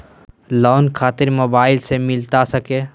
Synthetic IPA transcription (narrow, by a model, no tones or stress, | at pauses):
lɔːnkʰaːt̪ɪɾmoːbaːɪlsemɪlt̪asɐkeː